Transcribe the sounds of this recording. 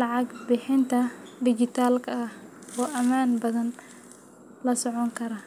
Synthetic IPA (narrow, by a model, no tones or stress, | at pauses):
lɑʕɑɡbɪħɪnt̪ʰɐɖɪd͡ʒɪt̪ʰaːlkʰɐɐhɔːʔɐmaːnbɐðɐn | lɐsɔʕɔŋkʰɐɾɐ